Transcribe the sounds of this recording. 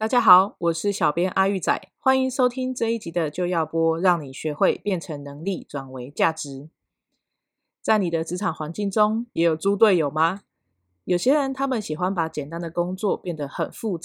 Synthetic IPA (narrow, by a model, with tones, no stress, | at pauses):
t̪a˥˩t͡ɕja˥xɑ˨˩˦ʊwʔɔ˨˩ʂɻ̩˥˩ɕjɑ˨˩ʊpjɛ˥nʔa˥y˥˩t͡sa̰˨˩˦ɪxwa˦˥ni˧˦ŋʂo˥ʊt̪ʰi˥ŋʈ͡ʂɤ˥˧i˥˩t͡ɕi˨˥d̪ə˨t͡ɕjo˥˧ʊjɑ˥˨ʊpwɔ˥ɻɑ˥˩ŋni˨˩ɕɥɛ˧˦xwe˥˧ɪpjɛ˥˩nʈ͡ʂʰə˧˥ŋnɤ˧˥ŋli˥˩ʈ͡ʂwa˨˩nwe˧˦ɪt͡ɕja˥˩ʈ͡ʂɻ̩˧˦ | t͡sa˥˩ɪni˨˩d̪ə˦ʈ͡ʂɻ̩˧˥ʈ͡ʂʰa˨˩ŋxwa˧˥nt͡ɕi˥˩ŋʈ͡ʂo˦ŋjɛ˧˥jo˨˩ʊt͡su˦t̪̬we˥˩ɪjo˨˩ʊma˦ | jo˨˩ʊɕjɛ˥ɻə˨˦nt̪ʰa˥mə˨nɕi˨˩xwa˦npa˧˥t͡ɕjɛ˨˩nt̪a˦˥nd̪ə˨kʊ˥ŋt͡swɔ˥˨pjɛ˥˩nd̪ə˨˩xə˨˩nfu˥˧t͡s